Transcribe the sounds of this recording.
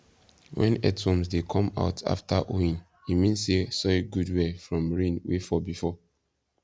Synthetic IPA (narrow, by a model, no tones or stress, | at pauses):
wɛ̰̃nɛ̰tʰɔ̃msdekʰɔ̃ma̰ʊtʰa̰ftʰaʔoĩn | himĩnsesɔɡudwɛfɹɔ̃mɹĩnwefɔbifɔ